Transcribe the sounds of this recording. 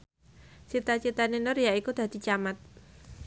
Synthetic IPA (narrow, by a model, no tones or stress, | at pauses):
t͡ʃit̪at͡ʃit̪aninʊrjaikud̪̥a̤d̪̥i̤t͡ʃamat̪̚